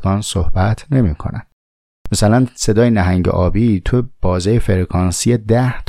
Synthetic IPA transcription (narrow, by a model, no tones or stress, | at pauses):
ɡɒːnsohbæt̪ʰne̞miːkʰo̰næn | mæsælænse̞d̪ɒːjenæɦæŋɟḛʔɒːbiːt̪ʰob̥ɒːzejefeɾkʰɒːnsied̪æht̪ʰ